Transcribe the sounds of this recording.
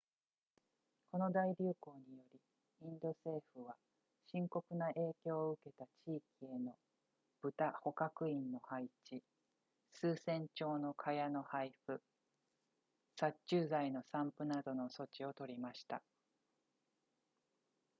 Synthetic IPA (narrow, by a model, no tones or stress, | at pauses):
ko̞no̞d̪aiɾʲɨːko̞ːɲ̟ijo̞ɾʲi | ĩnd̪o̞se̞ːɸɯ̟βa | ɕĩŋko̞kɯ̟naʔe̞ːkʲo̞ːɯ̟ke̞t̪at͡ɕiːkʲie̞no̞ | b̥ɯ̟t̪aho̞kakɯ̟ĩnːo̞hait͡ɕi | sɨːsẽ̞ɲ̟t͡ɕo̞ːno̞kʰajano̞haiɸɯ̟ | sat͡ɕɨːzaino̞sãmpɯ̟nad̪o̞no̞so̞t͡ɕio̞t̪o̞ɾʲimaɕi̥t̪a